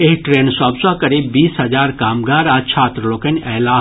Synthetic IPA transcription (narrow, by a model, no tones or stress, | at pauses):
eɦʈɾeːnsaːbsaːkɐɾiːbbiːsɦɐd͡ʒaːɾkaːmɡaːɾaːt͡ʃʰaːt̪ɾəloːkɐnɛːlaː